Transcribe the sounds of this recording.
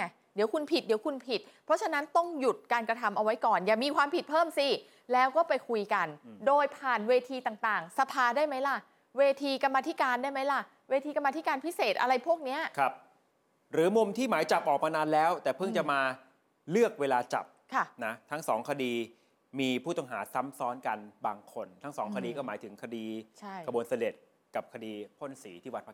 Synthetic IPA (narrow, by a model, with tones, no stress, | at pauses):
di˩˦wku˧npʰi˨˩t̪̚di˩˦wkʰu˧npʰi˨˩t̪̚pʰɾɔ˦˥t͡ɕʰa˧na˦˥nt̪ɔ˥˩ŋju˨˩t̪̚kaː˧nkɾa˧t̪ʰa˧mʔa˧wa˦˥jkɔː˨˩njaː˨˩miː˧kʰwaː˧mpʰi˨˩t̪̚pʰɤː˥˩msi˧˩ | lɛː˦˥wkɔː˥˩pa˧jkʰu˧jka˧ndoː˧jpʰaː˨˩nweː˧t̪ʰiː˧t̪aː˨˩ŋt̪aː˨˩ŋsa˧pʰaː˧daː˥˩jma˦˥jla˧˩ | weː˧t̪ʰiː˧ka˧mːaː˧t̪ʰi˦˥kaː˧ndaː˥˩jma˦˥jla˧˩ | weː˧t̪ʰiː˧ka˧maː˧t̪ʰi˦˥kaː˧npʰi˦˥seː˨˩t̪̚ʔa̰˧ɾa˧jpʰu˥˩ək̚ni˦˥ɐʔkʰa˦˥p̚ | ɾɯː˨˩˦mo˧mt̪ʰiː˥˩maː˩˦jt͡ɕa˨˩p̚ʔɔː˨˩k̚maː˧naː˧nlɛː˦˥wt̪ɛː˨˩pʰɯ˥˩ŋt͡ɕa˨˩maː˧ | lɯ˥˩ək̚weː˧laː˧t͡ɕa̰˨˩p̚kʰa˧˥˩na˦˥t̪ʰa˦˥ŋsɔː˩˦ŋkʰa˧diː˧ | miː˧pʰuː˥˩t̪ɔ˥ŋɦaː˩˦sa˦˥msɔː˦˥nka˧nbaː˧ŋkʰo˧nt̪ʰa˦˥ŋsɔː˩˦ŋkʰa˧diː˧kɔː˥˩maː˩˦jt̪ʰɯ˩˦ŋkʰa˧diː˧t͡ɕʰa˥˩jkʰa˧bu˧ənsa˧de˨˩t̪̚ | ka˨˩p̚kʰa˧diː˧pʰo˥˩nsiː˩˦t̪ʰiː˥˩wa˧npa˦˥